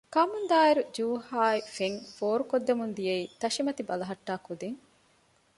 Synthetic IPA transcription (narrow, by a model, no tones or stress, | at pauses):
kɐmund̪aːiɾud͡ʒuːhaːifeŋfoːɾukod̪ːemund̪ijeiːt̪ɐʃimɐt̪ibɐlɐɦɐʈːaːkud̪iŋ